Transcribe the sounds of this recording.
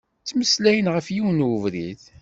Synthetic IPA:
t͡sːməslæjənʁəfjiwnəvɾið

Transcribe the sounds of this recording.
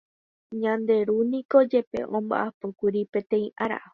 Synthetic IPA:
ɲãnd̪e̞ɾunĩko̞d͡ʒe̞pe̞̰ʔõmba̰ʔapokʷuɾipẽ̞t̪ẽ̞ĩʔaɾa̰

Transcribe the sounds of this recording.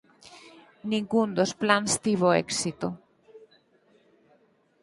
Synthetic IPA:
nĩŋɡund̪osplanst̪iβoḛksit̪o

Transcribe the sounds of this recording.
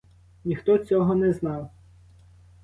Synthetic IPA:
nʲixt̪ɔt͡sʲɔɦɔnɛznɑw

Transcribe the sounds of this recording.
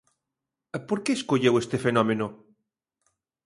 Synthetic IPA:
poɾkeːskoʎewest̪efenɔmẽno

